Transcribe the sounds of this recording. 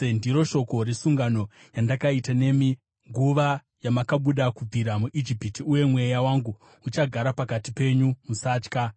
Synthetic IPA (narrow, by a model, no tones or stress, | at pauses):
endiɾo̞ʃo̞ko̞ɾesuŋɡano̞ | jandakaitane̞mi | ŋɡuʋa | jamakaɓuɗakub͡viɾamuʔid͡ʒipitiuje̞mwe̞jawaːŋɡu | ut͡ʃaɡʱaɾapakatipe̞ɲumusaːt͡ʃka